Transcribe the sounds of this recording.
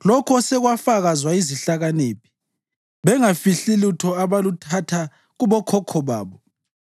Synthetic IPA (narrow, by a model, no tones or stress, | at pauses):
lɔkʰɔsɛɣwafaɣazwaiziɬaɣaneːpʰi̥ | βɛŋafiɬilutʰɔaβalutʰatʰa | ɣuβɔkʰɔkʰɔβa̰ːβɔ